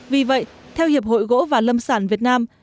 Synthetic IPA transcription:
vi˨˩və̰˧˨jt̪ʰɛ˧whi˨˩əp̚ho̰˧˨jɣo̰˧˥vaː˨˩lə˧msaː˧˩nvi˨˩ət̚naː˧m

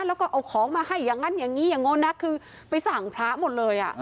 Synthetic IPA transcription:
lɛː˦˥wkɔː˥˩ʔa˧˩wkʰɔː˩˦ŋmaː˧ha˥˩jːaː˨˩ŋːa˧˥njaː˨˩ŋːiː˦˥jaː˨˩ŋːo˧˥nːa˦˥kʰɯː˧ | pa˧jsa˨˩ŋpʰɾaː˦˥mo˨˩t̪̚lɤː˧jʔa̰˨˩ʔ

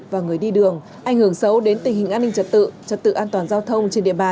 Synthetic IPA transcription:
vaː˨˩ŋɨ˨˩əjɗi˧ɗɨ˨˩əŋ | ʔa˧˩jŋhɨ˧˩əŋsə˨˦wɗe˨˦nt̪i˨˩ŋhï˨˩ŋ̟ʔa˧nːï˧ŋ̟t͡ɕə˨˩t̚t̪ɨ̰˧˨t͡ɕə˨˩t̚t̪ɨ̰˧˨ʔaː˧nt̪waː˨˩nzaː˧wt̪ʰə˧wŋ͡mt͡ɕe˧nɗḭ˧˨əɓaː˨˩

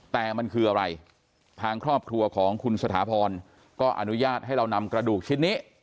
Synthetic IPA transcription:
t̪ɛː˨˩ma˧nkʰɯː˧ʔa˧ɾa˧j | t̪ʰaː˧ŋkʰɾɔː˥˩p̚kʰɾu˧ɐkʰɔː˩˦ŋkʰu˧nsa˧t̪ʰaː˩˦pʰɔː˧n | kɔː˥˩ʔa̰˧nu˦˥jaː˥˩t̪̚ha˥˩jɾa˧wna˧mkɾa˧duː˨˩k̚t͡ɕʰi˦˥nːiː˦˥

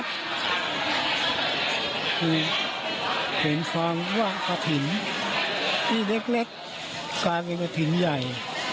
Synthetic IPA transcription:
kɯː˧ | hɯ˨˩˦nkʰaː˧mwaː˥˩ka˧t̪ʰi˨˩˦n | t̪ʰiː˥˩le˦˥˩k̚le˦˥k̚ | kaː˧jpe˧nka˧t̪ʰi˩˦nja˨˩j

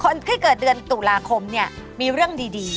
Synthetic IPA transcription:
kʰo˧nt̪ʰiː˥˩kɤː˨˩t̪̚dɯ˧ənt̪u˨˩laː˧kʰo˧mni˥˩ɐ | miː˧ɾɯ˥˩əŋdiː˧diː˧

